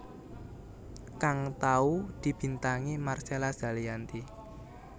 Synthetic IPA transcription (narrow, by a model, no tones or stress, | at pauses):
kaŋt̪aud̪̥i̤b̥i̤nt̪aŋimarselasd̥a̤lijant̪i